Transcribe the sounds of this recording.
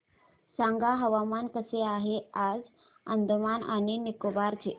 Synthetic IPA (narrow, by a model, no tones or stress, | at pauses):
sãŋɡaɦəʋamankəseaɦead͡z | ə̰nd̪ʱəmana̰ñinikobaɾt͡ɕe